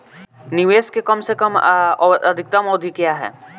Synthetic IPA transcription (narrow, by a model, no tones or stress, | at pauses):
nɪʋeːskekɐmsekəm | ɐd̪ʱɪk̚t̪amɔːd̪ʱikjaɦɛ̰ː